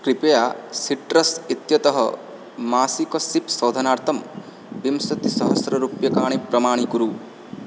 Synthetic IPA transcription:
kɾipejaːsiʈɾɐsit̪jɐt̪ɐɦɐ̰ | maːsikɐsipsɐwd̪ʱɐnaːɾt̪ʰɐm | b̪imsɐt̪isɐɦɐsɾɐɾupjɐkaːɳ̃ipɾɐmaːɳ̃ikuɾu

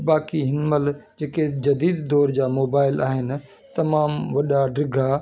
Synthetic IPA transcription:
baːkiɦɪnməld͡ʑeːked͡ʑɐd̪iːd̪d̪ɔːɾd͡ʑaːmoːbaːɪlaːɦɪnɪ̆ | t̪ɐmaːmʋɐɗaɖɾɪɡʱa

